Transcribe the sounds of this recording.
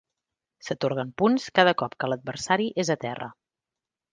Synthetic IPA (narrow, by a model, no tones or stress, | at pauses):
sət̪oɾɣ̞əmpunskað̞əkɔpkələd̪̚bərsaɾiʔezət̪ɛrə̰